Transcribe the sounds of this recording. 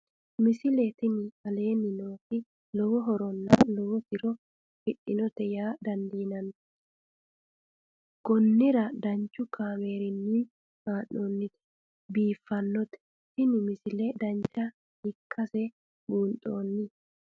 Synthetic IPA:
mɪsɪlɛt̪ɪnɪɐle̞ːnːɪnoːtɪ | lɔwɔɦɔɾɔnːɐlɔwɔt̪ɪɾɔ | fɪɗːɪnɔt̪ɛjaːd̪ɐnd̪iːnɐn | ɡ̥ɔnːɪɾɐd̪ɐɲt͡ʃːʊkʰaːme̞ːɾɪnːi | maːʔoːnːɪt̪ɛ̥ | biːfːɐnːɔt̪ɛ̥ | t̪ɪnɪmɪsɪlɛd̪ɐnt͡ʃːɐ | hɪkʰːɐsɛ | buːnt̪ʼoːnːɪ

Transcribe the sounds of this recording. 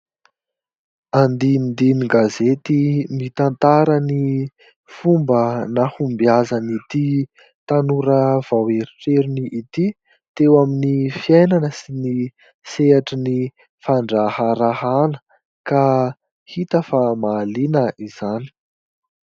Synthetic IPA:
and̪ind̪iniɡazet̪imit̪ant̪aɾəni | fumbənahumbiazanit̪i | t̪anuɾəv̥aweɾiʈ͡ʂeɾiniʔit̪i | t̪ewaminifiajnanəsini | seaʈ͡ʂəni | faɳɖ͡ʐahaɾahanə̥ | ka | hit̪əfamaːlinəʔiz̥ani̥

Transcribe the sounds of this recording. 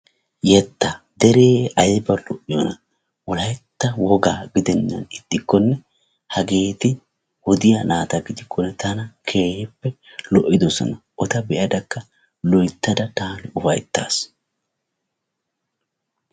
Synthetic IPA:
jɛt̪ːɐd̪ɛɾeːɐjbɐlɔʔːɪjɔnɐ | wɔlɐjt̪ːɐwɔɡaːɡɪd̪ɛnːɐ̰nɪt̪ːɪkːɔnːɛ | hɐɡe̞ːt̪ɪ | hɔd̪ɪjanaːt̪ɐɡɪd̪ɪkʰːɔnːɛt̪ɐnɐkʰe̞ːhɛpːɛ | lɔʔːɪd̪ɔsɔ̰nɐʔɔt̪ɐbɛʔɐd̪ɐkːɐ | lɔjt̪ːɐd̪ɐt̪aːnɪʊfɐ̰jt̪ːa̰ːs

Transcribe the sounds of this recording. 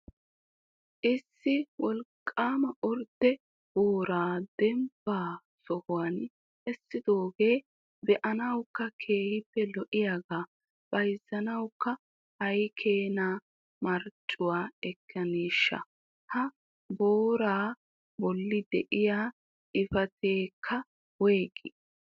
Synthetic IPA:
ʔɪsːɪwɔlkʼːaːmɐʔʊɾt̪ːɛ | b̥oːɾaːd̪̥ɛmbaː | sɔhʊwaːn | ʔɛsːɪd̪o̞ːɡe̞ː | bɛʔɐnɐwkːɐkʰe̞ːhɪpːɛlɔʔɪjaːɡaː | b̥ɐjzːɐnɐwkːɐ | ɐjkʰeːnaː | mɐɾt͡ʃʼːʊwaːɛkʰːɐniːʃːɐ̰ | hɐ | boːɾaː | bɔlːɪd̪ɛ̰ʔɪjaː | ɪfɐt̪ʰeːkʰːɐ | weːɡɪ

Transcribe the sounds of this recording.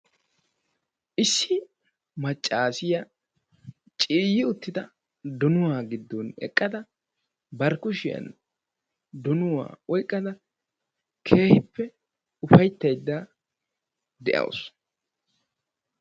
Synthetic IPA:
ʔɪsːɪ | mɐt͡ʃʼːaːsɪjɐ | t͡ʃʼiːjːɪʊt̪ːɪd̪ɐ | d̪ɔnʊwaːɡɪd̪ːɔnɛ̰kʼːɐd̪ɐ | bɐɾkʊʃɪjɐ̰n | d̪ɔnʊwa̰ːɔjkʼːɐd̪ɐ | kʰe̞ːhɪpːɛ | ʊfɐjt̪ːɐjd̪ːa | d̪ɛʔɐ̰ws

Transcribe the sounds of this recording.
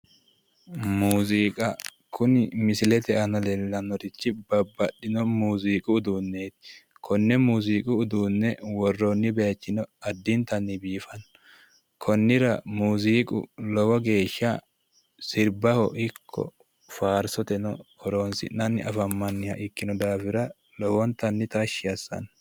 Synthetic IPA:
muːziːkʼɐ | kʰʊnɪmɪsɪlɛt̪ɛɐnɐlɛlːɐnɔɾɪt͡ʃːɪbɐbːɐɗːɪnɔmuːziːkʼʊːd̪uːnːeːt̪ɪ̥ | kʰɔnːɛmuːziːkʼʊʊd̪uːnːɛwɔrːonːɪbɛjɐt͡ʃːɪnɔɐd̪ːɪnt̪ɐnːɪbiːfɐnː | kʰɔnːɪɾɐmuːziːkʼʊ̰lɔwɔɡe̞ːʃːɐ | sɪɾbɐhɔʔɪkʰːɔ̰ | faːɾsɔt̪ɛnɔkʰɔɾoːnsɪ̰nɐnːɪɐfɐmːɐnːɪjɐʔɪkːɪnɔd̪aːfɪɾɐ | lɔwɔnt̪ɐnːɪt̪ɐʃːɪjɐsːɐ̰n

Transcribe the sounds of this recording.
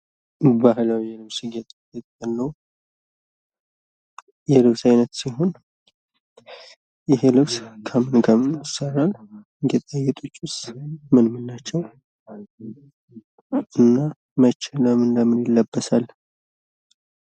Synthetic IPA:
baɦlawiɛlɨβsɨɡɛt̪ʼjɛt̪ʼəlːəw | jɛlɨbsajnət̪siɦo̞n | jɪɦelɨbskʰəmɨnɡamɨnsəralɨnd̪ɛt̪ʼajːɛt̪ʼut͡ʃʼːʊsmɨnmɨnːat͡ʃːɛw | ʔɨnːa | mət͡ʃːɪləmɨnd̪əmɨnjɪlːəbːəsal

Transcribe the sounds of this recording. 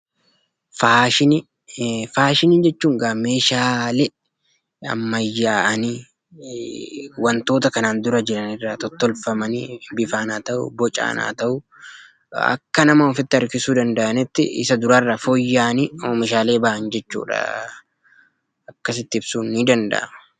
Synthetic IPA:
faːʃɪn | faːʃɪnɪd͡ʒɛt͡ʃːuːŋɡɐme̞ːʃaːlɛ | ɐ̰mːɐjːaːʔɐni | wɐnt̪o̞ːt̪ɐkɐnaːnd̪ʊɾɐd͡ʒɪɾɐnɪrːaːt̪ɔt̪ːɔlfɐmɐnibɪfaːnaːt̪ɐʔʊ̰bɔt͡ʃʼa̰ːna̰ːt̪ɐʔʊ | ɐ̰kːɐnɐmɐɔfɪt̪ːɪɐɾkɪsuːd̪ɐnd̪ɐʔɐnɪt̪ːɪ̰ɪ̰sɐd̪ʊɾɐrːɐfojːaːnioːmɛʃaːle̞ːbaːʔɐnd͡ʒɛt͡ʃːṵːᶑɐ̰ | ɐkːɐsɪt̪ːɪɪbsuːnːid̪ɐnd̪ɐ̰ʔɐ̰mɐ̥

